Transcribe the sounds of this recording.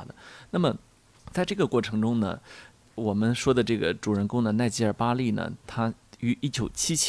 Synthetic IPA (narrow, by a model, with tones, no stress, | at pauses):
d̪ə̰˩na˥˩mə˩ | t͡sa˥˧ɪʈ͡ʂɤ˥˩ɡə˩kwɔ˥˩ʈ͡ʂʰɤ˧˥ŋʈ͡ʂʊ˥ŋnə̰˨˩ | wɔ˨˩mə˦nʂwɔ˥d̪ə˨ʈ͡ʂɤ˥˩ɡə̰˩ʈ͡ʂu˨˩ɻə˧˥nkʊ˥ŋd̪ə˨na˥˧ɪt͡ɕi˥˧ə˞˥˩pa˥li˥˩nə̰˩t̪ʰa˥y˧˥ʔi˥˩t͡ɕjo˨˩ʊt͡ɕʰi˥t͡ɕʰ